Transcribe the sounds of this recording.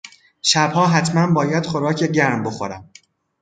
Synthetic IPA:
ʃæbhɒːɦæt̪ʰmænbɒːjæd̪̥χoɾɒːcʰeɟæɾmbo̞xoɾæ̰m

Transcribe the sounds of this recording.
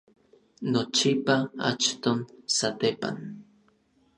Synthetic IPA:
not͡ʃipaa̰t͡ʃt̪onsat̪epa̰n

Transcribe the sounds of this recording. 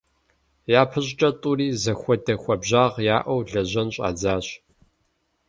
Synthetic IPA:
jaːpʰɨɕʼt͡ʃʼɐtʼuɾiːzɐxʷɔdɐxʷɐbʑaːʁjaːʔʷɐwɮɐʑɐnɕʼa̰ːd͡zaːɕ

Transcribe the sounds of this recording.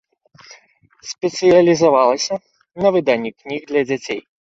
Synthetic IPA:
sʲpʲɛt̪sɨjɐlʲizavalˠɐsʲɐ | nɐvɨd̪anʲːiknʲiɣd̪lʲɐd͡zʲat͡sʲej

